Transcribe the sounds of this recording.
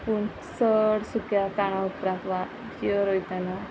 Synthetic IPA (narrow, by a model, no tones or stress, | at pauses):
puɳ | səɽsukjakaɽ̃ãupɾakʋa | iəɾojt̪ana